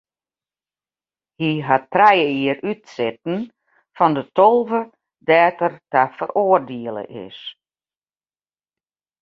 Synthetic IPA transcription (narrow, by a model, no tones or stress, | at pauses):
hiɦatːrɛjəiəɾytsɪt̚n̩ | fɔndətolˠvə | dɛːtərtafərʔoːərdiəlˠə̰ʔɪ̰s